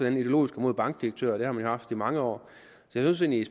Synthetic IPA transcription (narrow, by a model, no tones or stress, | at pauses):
ɒd̥enid̥eo̝lo̝̰ːisɡ̥əmo̝ð̰ˠb̥ɑ̈ŋɡ̥̚d̥iɐɡ̥̚t͡sʰø̰ɐ̰ɾ̥e̝hɑmænjo̝hɑ̈fd̥imɑ̈ŋəɒ̰ː | sɒ̥jasɔnseːnlis